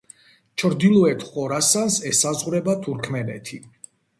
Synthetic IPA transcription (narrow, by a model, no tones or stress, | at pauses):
t͡ʃʰɾd̪ilˠɔɛt̪ʰχɔɾasansɛsazʁɾɛbat̪ʰuɾkʰmɛnɛ̰t̪ʰi